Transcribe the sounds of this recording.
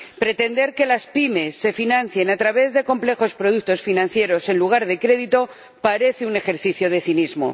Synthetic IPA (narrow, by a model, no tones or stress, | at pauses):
pɾe̞t̪e̞nd̪e̞ɾke̞laspime̞sːe̞finãn̟θje̞nat̪ɾaβe̞zðe̞ko̞mple̞xo̞spɾo̞ðuk̚t̪o̞sfinãn̟θje̞ɾo̞se̞nluɣ̞aɾðe̞kɾe̞ðit̪o̞ | paɾe̞θeune̞xe̞ɾθiθjo̞ð̞e̞θinizmo̞̰